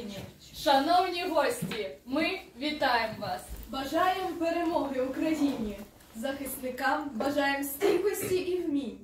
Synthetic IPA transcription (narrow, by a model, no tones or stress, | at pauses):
nʲ | ʃɐnɔwnʲiɣɔsʲt͡sʲimɪvʲit̪ajɛmʋasbɐʐajɛmpɛɾɛmɔɣɪwukɾɐjinʲi | zɐxɪsnɪkambɐʐajɛmsʲtʲipɔsʲt͡sʲiʔiwmʲi